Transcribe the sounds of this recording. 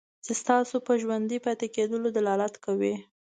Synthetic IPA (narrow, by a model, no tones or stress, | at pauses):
t͡sest̪ɑsopəʒwand̪ipɑjt̪eked̪əlod̪alɑlat̪kawi